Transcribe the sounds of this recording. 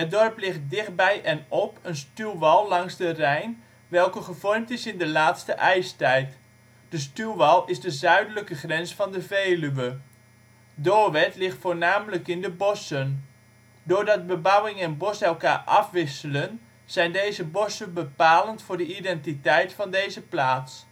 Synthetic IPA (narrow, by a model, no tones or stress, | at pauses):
ɦət̚dɔrplɪχt̚dɪχt̚bɛjʔɛnɔpənstylˠʋɑlˠːɑŋzdərɛjn | ʋɛlˠkəχəvɔrmtɪsɪndəlaːtstəʔɛjstɛjt | d̥əstylˠʋɑlˠɪzdəzœɥdələkəχrɛnsfɑndəvejlyʋə | doːɹʋɛtlɪχtfʊːɹnaːmələkɪndəbɔsən | dʊːɹdɑt̚bəbʌwɪŋɛnbɔsɛlˠkaːɹʔɑfʋɪsələn | z̥ɛjndejzəbɔsənbəpaːləntfʊːrdəidɛntitɛjtfɑndejzəplaːts